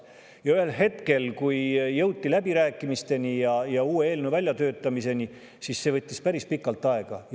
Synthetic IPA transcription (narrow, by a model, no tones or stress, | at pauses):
jɑyɦe̞lɦe̞t̪ke̞lkujjːɤwt̪ʲːilæbiɾæːkːˑimist̪e̞nijɑjɑuːee̞ːlnuvælʲjɑt̪øːt̪ːˑɑmise̞ni | sisːe̞vɤt̪ʲːispæɾispikːˑɑlt̪ːˑɑe̞ɡ̥ɑ